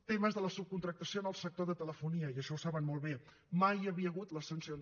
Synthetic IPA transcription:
t̪eməzðələsup̚kunt̪ɾək̚t̪əsionəlˠsək̚t̪oðət̪ələfuniəiəʃɔwsaβənmɔlˠβe | majəβiəɣut̪ləsənsion

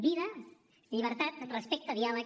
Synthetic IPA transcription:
biðə | ʎiβ̞əɾt̪at̪rəspɛk̚t̪əðialə

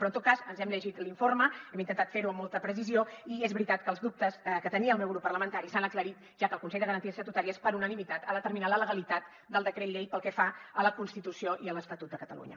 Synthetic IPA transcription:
pɾɔnt̪ot̪̚kazənzɛmʎəʒit̪liɱforməɛmint̪ənt̪at̪feɾuəmːolˠt̪əpɾəs̬izioiezβɾit̪at̪kəːlˠzðup̚t̪əskət̪əniəːlˠmɛwɾupərləmənt̪aɾisanəkləɾit̪ | ʒ̥akəlˠkunsɛʎd̪əɣəɾənt̪iəsət̪ut̪aɾispəɾunənimit̪at̪əlðət̪əɾminaðələɣəlit̪at̪ | d̪əlˠd̪əkɾeʎɛjpəlˠkɛfaələkunst̪it̪usioʔiələst̪ət̪ut̪̚d̪əkət̪əlṵɲə̰

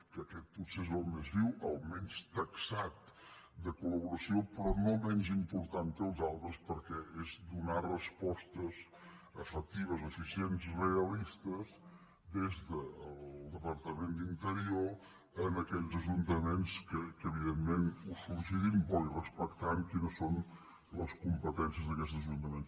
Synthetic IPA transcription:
kəkɛt̪̚putsezəlˠmezβiwəlˠmɛnst̪əksat̪̚ | d̪əkuləβuɾəsiopɾɔnomɛnzimpuɾt̪ank̪əlˠzalˠt̪ɾəspəɾkɛezd̪unarəspɔst̪əz | əfək̚t̪iβ̞əzofisienzreəlist̪əz | d̪ezðəːlˠlˠd̪əpəɾt̪əmend̪int̪əɾio | ənəkɛʎzəʒunt̪əmenskəkəːβ̞iðemmenusuɾsiðimbɔlirəspəkt̪aŋkinəsːon | ləskumpət̪ɛnsiəzðəkɛt̪zəʒunt̪əmens

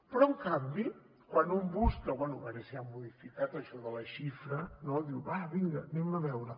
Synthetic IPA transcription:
pɾɔəŋkambi | kwanumbuskəβwɛnuβaɾɛsiamːuðifikat̪əʃɔðələʃifɾənɔðiwβaβiŋɡənɛməβɛwɾə

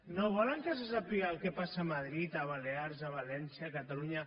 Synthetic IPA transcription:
noβɔləŋkəs̬esapialˠkɛpasamað̞ɾit̪aβaleaɾzaβalɛnsiakat̪aluɲa

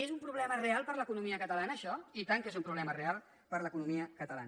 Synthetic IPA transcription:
ezumpɾuβlɛmərealˠpəɾləkunumiəkət̪əlanəːʃɔit̪aŋkezumpɾuβlɛmərealˠ | pəɾləkunumiəkət̪əla̰nə

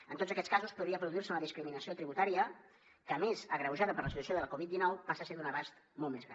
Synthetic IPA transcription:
ənt̪otzəkɛtt͡sskazuspuðɾiəpɾuðuiɾrsəunəðiskɾiminəsiot̪ɾiβut̪aɾiə | kəːmezəɣɾəwʒaðəpəɾləsit̪uəsioðələkuβit̪̚d̪inɔwpasəseðunəβast̪molˠt̪mezɣɾa̰

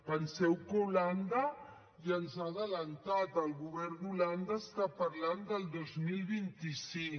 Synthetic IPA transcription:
pənsɛwkuland̪ə | jənzaðələnt̪at̪əlˠɣuβɛrd̪uland̪əːst̪apəɾland̪əlˠd̪ozmilˠβint̪isiŋ

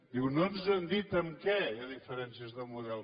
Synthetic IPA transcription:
d̪iɣunɐ̃w̃nuzɐ̃nd̪it̪ɐ̃mkɛɐðifɨɾẽnsjɐzðɐmuðɛlˠ

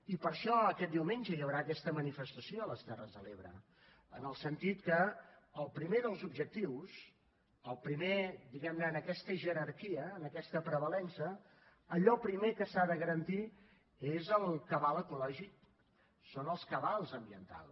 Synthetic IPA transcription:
ipəɾʃɔəkɛt̪̚d̪iwmenʲd͡ʒəjəwɾaəkɛst̪əmənifəst̪əsioələst̪ɛrəzðəleβɾə̰ | ə̰nəlˠsənt̪it̪kəːlˠpɾimeðəlˠzubʒək̚t̪iws | əlˠpɾimed̪iɣɛmnəːnəkɛst̪əʒəɾərkiəːnəkɛst̪əpɾəβəlɛnsəː | ʎɔpɾimekəsaðəɣəɾənt̪i | ezəlˠkəβalˠəkulɔʒik̚ | sonəlˠskəβalˠzəmbiənt̪a̰lˠ

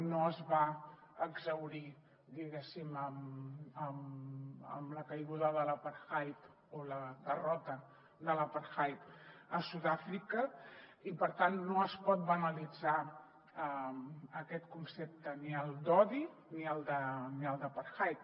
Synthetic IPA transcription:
noəzβaəɡzəwɾi | d̪iɣɛsiməməmə̰mləkəjɣuðəðələpəɾxajp | oləðərɔt̪ə | d̪ələpəɾxajpəsuðafɾikəipəɾt̪anːoəspɔt̪̚bənəlid͡za | əəkɛt̪kunsep̚t̪əniəlˠd̪ɔði | niəlˠd̪əniəlˠd̪əpəɾxajp̚

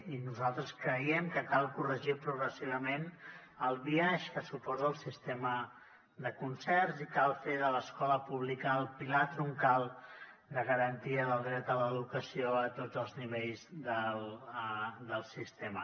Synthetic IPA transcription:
inuzalˠt̪ɾəskɾəiɛmkəkalˠkurəʒipɾuɣɾəsiβ̞əmen | əlˠβiaʃkəsupɔzəːlˠsist̪emə | d̪əkunsɛrzikalˠfeðələskɔləpuβlikəːlˠpilat̪ɾuŋkalˠ | d̪əɣəɾənt̪iəðəlˠd̪ɾɛt̪ələðukəsioət̪odd͡zəlˠzniβ̞eʎzðəl | d̪əlˠsist̪emə

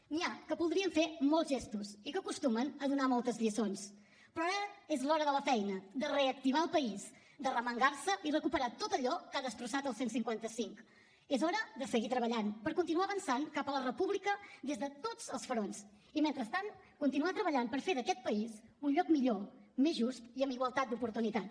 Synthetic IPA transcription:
niakəpulˠðɾiəɱfeɾmɔlˠzʒest̪usikəkust̪umənəðunamɔlˠt̪əzʎiəsons | pɾɔaəezlɔɾəðələfɛjnəd̪əreək̚t̪iβaəlˠpəiz | d̪ərəməŋɡaɾsəʔirəkupəɾat̪ot̪əʎɔkaðəst̪ɾusat̪əlˠsensiŋkwant̪əsiŋk | ezɔɾəðəsəɣit̪ɾəβəʎanpəɾkunt̪̬inuaβənsaŋkapələrəpuβlikəd̪ezðət̪od͡zəlˠsfəɾons | iment̪ɾəst̪an | kunt̪inuat̪ɾəβəʎampəɾfeðəkɛt̪̚pəizunʎɔkmiʎomezʒust̪iəmiɣwəlˠt̪at̪̚d̪upuɾt̪unit̪at̪

